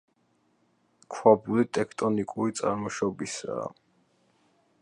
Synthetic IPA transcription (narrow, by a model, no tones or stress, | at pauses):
kʰwabulit̪ʼɛkʰt̪ʼɔnikʼuɾit̪sʼa̰ɾmɔʃɔbisa̰ː